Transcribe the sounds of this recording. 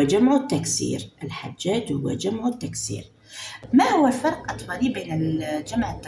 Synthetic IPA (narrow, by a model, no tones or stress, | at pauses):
ad͡ʒamʕʊt̪ːaksḭːɾʔɪlħad͡ʒːaːd͡ʒhʊwːad͡ʒamʕʊt̪ːaksḭːɾ | mahʊwːafɑɾˤqʔɑt̪ˤbɑlibeːnɪld͡ʒamʕɪt̪ː